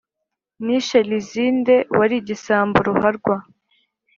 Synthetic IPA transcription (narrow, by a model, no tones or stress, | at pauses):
niʃaliziːnde̞waɾiɟisaːmbuɾuhaɾɡwa